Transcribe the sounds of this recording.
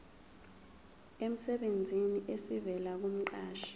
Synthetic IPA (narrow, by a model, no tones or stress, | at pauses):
em̩sɛɓend͡zʱiniʔesivɛlak̬um̩ǃaːʃi̥